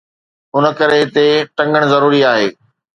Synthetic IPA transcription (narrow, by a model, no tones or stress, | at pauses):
ʊnəkɐɾeɦɪt̪eʈɐ̃ŋɡəɽ̃zɐɾuːɾiaːɦeː